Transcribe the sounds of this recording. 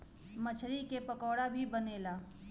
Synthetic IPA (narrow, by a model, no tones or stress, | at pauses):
mət͡ʃʰɾikepɐkɔːɽabʱibɐneːlaː